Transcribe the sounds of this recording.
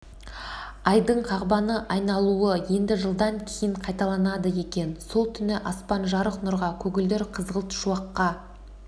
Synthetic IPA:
ɑjd̪əɴqʰɑʁbɑnəʔɑjnɑlˠuəje̞nd̪ɪʒəlˠd̪ɑŋkʲʰejɪɴqʰɑjt̪ɑlˠɑnɑd̪əje̞kʲe̞nso̞lˠt̪ʰʏnɪʔɑspɑnʒɑɾəqnʊɾʁɑkʲʰɵɡʲɪld̪eɾqʰəzʁəlˠt̪ʃuɑqːɑ

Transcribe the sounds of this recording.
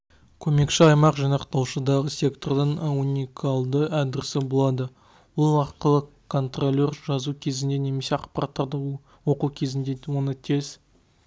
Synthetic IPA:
kʲʰɵme̞kʃɪɑjmɑqʒijnɑqt̪ɑwʃəd̪ɑʁəsʲe̞kt̪o̞rd̪əɴunʲikʰalˠd̪əæd̪ɪɾɪsɪbo̞lˠɑd̪ə | wolˠɑqəlˠəkʰːo̞nt̪rolʲːe̞rʒɑzukʲʰe̞zɪnd̪e̞ne̞me̞se̞ɑqpɑɾat̪ːɑɾd̪ə | wo̞qukʲʰe̞zɪnd̪ewo̞nət̪ʰe̞z

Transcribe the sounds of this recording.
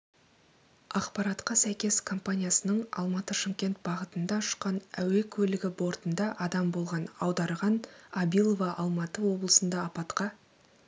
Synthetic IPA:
ɑqpɑɾɑt̪qɑsæjkʲe̞skʰo̞mpanʲijasənəɴɑ̰lˠmɑt̪əʃəŋkʲe̞nt̪̚bɑʁət̪ənd̪ɑʊʃqɑnæwe̞kʲʰɵlɪɡʲɪbo̞ɾt̪ənd̪ɑʔɑd̪ɑmbo̞lˠʁɑnɑwd̪ɑɾʁɑnɑbijlˠo̞vɑʔɑlˠmɑt̪əwo̞blˠəsənd̪ɑːpɑt̪qɑ

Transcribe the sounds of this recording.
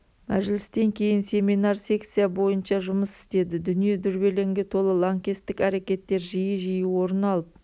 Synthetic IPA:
mæʒlɪst̪e̞ŋkʲʰe̞jɪnse̞mijnaɾsʲe̞kt̪sijabo̞jənʃɑʒʊməsɪ̥st̪e̞d̪ɪd̪ʏnije̞d̪ʏɾbe̞le̞ŋɡʲe̞t̪ʰo̞lˠəlˠaŋkʲest̪ːɪkæɾe̞kʲe̞t̪ːe̞ɾʒijəʒijuwo̞ɾənɑlˠəp̚

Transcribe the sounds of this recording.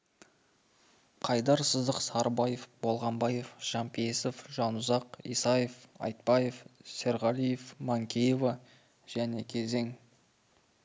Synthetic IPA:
qʰɑjd̪ɑɾsəzd̪əqsɑɾbɑjefbo̞lˠʁɑmbɑjefʒ̥ɑmpʰesəfʒɑnʊzɑqḭjsɑjefɑ̰jt̪̚pɑjefse̞ɾʁɑlijefmaŋkʲʰejeva | ʒ̥æne̞kʲʰe̞ze̞ŋ

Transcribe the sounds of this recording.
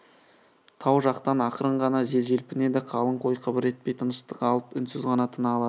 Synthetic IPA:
t̪ʰɑwʒɑqt̪ɑnɑqəɾəɴʁɑnɑʒe̞lʒe̞lpɪne̞d̪ɪqʰɑlˠəɴqʰo̞jqʰəbɪɾe̞t̪̚pe̞jt̪ʰənəʃt̪ə̥qɑlˠəpʏnsʏzʁɑnɑt̪ʰənɑlˠɑd̪

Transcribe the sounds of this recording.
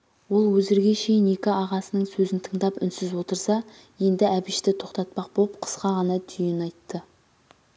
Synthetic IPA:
wo̞lˠwɵzɪɾɡʲe̞ʃe̞jɪne̞kʲɪɑʁɑsənəɴsɵzɪnt̪ʰəɴd̪ɑpʏ̰nsɪzwo̞t̪əɾsɑ | je̞nd̪ɪæbɪʃt̪ɪt̪ʰo̞qt̪ɑt̪̚pɑq̚bolˠəp̚qʰə̥sqɑʁɑnɑt̪ʰʏjɪnɑjt̪ːə

